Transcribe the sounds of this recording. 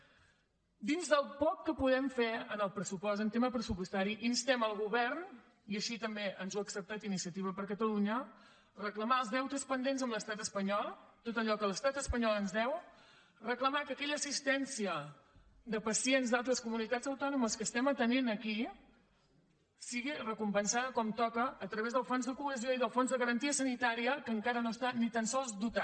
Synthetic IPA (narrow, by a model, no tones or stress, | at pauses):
d̪inzðəlˠpɔkːəpuðɛmfeənəlˠpɾəsupɔsənt̪eməpɾəsupust̪aɾiʔinst̪ɛməlˠɣuβɛrn | iəʃit̪əmbeʔənzoəksəp̚t̪at̪inisiət̪iβ̞əpəɾkət̪əluɲə | rəkləmaəlˠzðɛwt̪əspənd̪enzəmləst̪at̪əspəɲɔlˠt̪ot̪əʎɔkələst̪at̪əspəɲɔlˠənzðɛw | rəkləmakəːkɛʎəːsist̪ɛnsiə | d̪əpəsienzd̪alˠt̪ɾəskumunit̪ad͡zəwt̪ɔnuməskəst̪ɛmət̪əninəki | siɣirəkumpənsaðəkɔmt̪ɔkəːt̪ɾəβezðəlˠfonzðəkuəzioiðəlˠfonzðəɣəɾənt̪iəsənit̪aɾiəkəŋkaɾənost̪anit̪ansɔlˠzd̪ut̪a